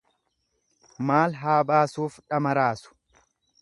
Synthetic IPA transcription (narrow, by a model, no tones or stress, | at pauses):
maːlɦaːbaːsuːfᶑɐmɐɾaːsʊ̥